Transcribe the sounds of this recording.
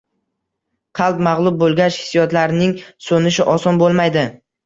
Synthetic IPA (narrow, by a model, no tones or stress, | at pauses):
qʰɑlˠpmɑʁlˠʊb̚bolˠɡʲaʃhɪ̥sjɒt̪laɾnɪŋsonɪʃɪʔɒsɒnbolˠmajd̪ɪ